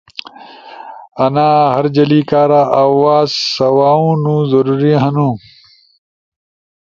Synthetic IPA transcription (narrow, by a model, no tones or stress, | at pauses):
ɐnaːhɐɾd͡ʑɐliːkaːɾaːʔawaːzsɐwaːũːnũːzɐɾuːɾiɦɐnũː